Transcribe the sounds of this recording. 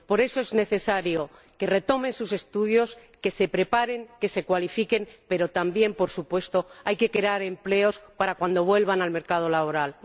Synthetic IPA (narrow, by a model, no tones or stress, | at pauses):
po̞ɾe̞so̞ezne̞θe̞saɾjo̞ | ke̞re̞t̪o̞me̞nsuse̞st̪uðjo̞ske̞se̞pɾe̞paɾe̞ŋke̞se̞kwalifike̞mpe̞ɾo̞t̪ambje̞mpo̞ɾsupwe̞st̪oajke̞kɾeaɾe̞mple̞o̞spaɾakwand̪o̞βwe̞lβanalme̞ɾkað̞o̞laβo̞ɾal